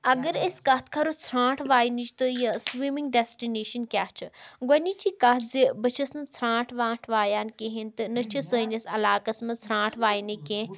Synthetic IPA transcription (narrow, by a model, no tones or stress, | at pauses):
ɐɡəɾeskɐt̪ʰkʰɐɾot͡sʰɾãːʈʰʋaːjnit͡ʃʰt̪ɨjɐsʋiːmiŋɡ̚ɖesʈineːʃɐnkʲaːt͡ʃʰɨɡɐnit͡ʃikɐt̪zibɐt͡ʃʰɐsnɨt͡sʰɾãːʈʰʋaːʈʰʋaːjaːnkeɦint̪ɨnɨt͡ʃʰisəːnʲɐsɐlaːkɐsmɐt͡sʰɾãːʈʰʋaːjnɐkẽː